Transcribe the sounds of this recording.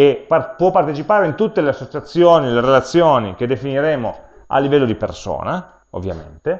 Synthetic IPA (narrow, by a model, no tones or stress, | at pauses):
eapwɔpːart̪et͡ʃipaːɾeint̪ut̪ːeleasːot͡ʃat̪sːjoːnileɾelat̪sːjoːnik̟ed̪ːefiniɾeːmo | a̰lːivɛlːod̪iperso̰ːna | o̰vːja̰mḛnt̪e